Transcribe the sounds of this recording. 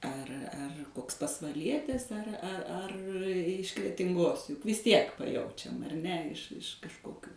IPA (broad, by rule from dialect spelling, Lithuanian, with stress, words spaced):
ɐr ɐr ˈkoːks pɐsʋɐˈlʲiɛtʲɪs ɐr ɐr ɪʃ krʲɛtʲɪŋˈɡoːs jʊk ʋʲɪs ˈtʲiɛk pɐˈjɛʊt͡ʃʲɛm ɐr ˈnʲɛ ɪʃ ɪʃ kɐʃˈkoːkʲuː